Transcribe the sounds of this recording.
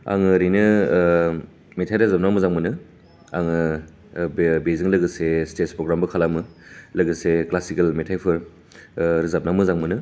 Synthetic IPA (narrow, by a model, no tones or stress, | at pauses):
a̰ŋɯɾijnɯ | metʰajɾazap̚namɯzaŋmɯnɯ | aŋɯ | beziŋlɐɡɯsestetspɾoɡɾambɯkʰalamɯlɐɡɯseklasikelmetʰajpʰɯɾ | ɾizap̚namɯzaŋmɯnɯ